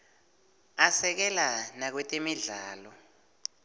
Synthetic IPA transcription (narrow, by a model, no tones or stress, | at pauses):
asɛk̬ɛlanak̬wɛtʼemiɮaːlɔ